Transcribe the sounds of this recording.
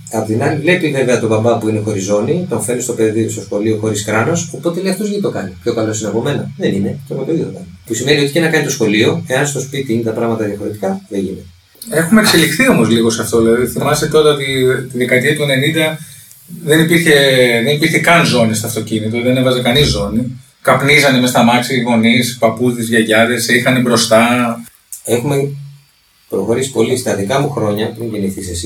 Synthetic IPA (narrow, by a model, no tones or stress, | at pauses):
ɐpt̪inɐlivle̞pive̞ve̞ɐt̪o̞bɐmbɐpuine̞xo̞ɾizo̞nit̪oɱfe̞nist̪o̞peðist̪o̞sxo̞lio̞xo̞ɾiskɾɐno̞so̞po̞t̪eleiɐft̪ozʝit̪o̞kɐnipço̞kɐlo̞sineɐpo̞me̞nɐðe̞ninetepopeðit̪o̞kɐnipusimenio̞t̪icenɐkɐnit̪o̞sxo̞lio̞e̞ɐnst̪o̞spit̪iinet̪ɐpɾɐɣmɐt̪ɐðiɐfo̞ɾit̪i̥kɐðeʝḭne | e̞xumekse̞lixθio̞mo̞zliɣo̞sɐft̪olɐðiθimɐset̪o̞ɾɐot̪it̪iðekɐt̪iɐt̪ue̞ne̞nind̪ɐ | ðe̞nipiɾçe̞ðenipiɾçe̞kɐnzo̞nist̪ɐft̪o̞cinit̪oðe̞nevɐzekɐnizːo̞ni | kɐpnizɐnemest̪ɐmɐksiiɣo̞nispɐpuzt̪izʝɐʝɐðesixɐnebɾo̞st̪ɐ | e̞xume | pɾo̞xo̞ɾisi̥po̞list̪ɐðikɐmuxɾo̞ɲɐmiɲɟiniθisesi